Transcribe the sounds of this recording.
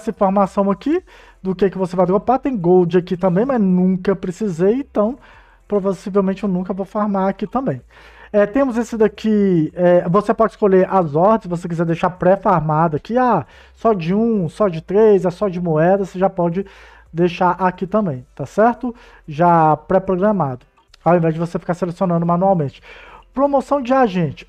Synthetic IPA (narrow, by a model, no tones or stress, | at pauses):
ɛsɐĩfoɾmasɐ̃w̃ɐki | d̪ʊkekɪvosevajd̪ɾopat̪ẽj̃ɡowd͡ʒɪakit̪ɐ̃bẽj̃mɐznũkɐpɾesizejẽt̪ɐ̃w̃ | pɾovasivewmẽnt͡ʃɪewnũkɐvowfoɾmaɾakit̪ɐ̃mbẽj̃ | ɛt̪ẽmʊzesɪd̪ɐkiɛvosepɔd͡ʒɪ̥skoʎeɾʔɐzɔɾd̪ɪsvos̬ek̬izɛd̪ejʃaɾpɾɛfoɾmad̪ɐkɪa | sɔd͡ʒɪũsɔd͡ʒɪt̪ɾezɛsɔd͡ʒɪmoɛd̪ɐoseʒapɔd͡ʒɪ | d̪ejʃaɾʔakit̪ɐ̃mbẽj̃t̪asɛɾt̪ʊ | ʒapɾɛpɾoɡɾɐmad̪ʊ | awẽvɛzd͡ʒɪvosefi̥kaɾselesiõnɐ̃nd̪ʊmãnuawmẽnt͡ʃɪ̥pɾomosɐ̃w̃d͡ʒɪaʒẽt͡ʃɪ̥